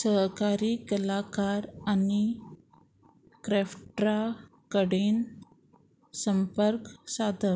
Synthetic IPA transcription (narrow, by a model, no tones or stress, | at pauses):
səɦkaɾiːkəlakaɾani | kɾɛfʈɾa | kəɽen | səmpəɾksad̪ʱə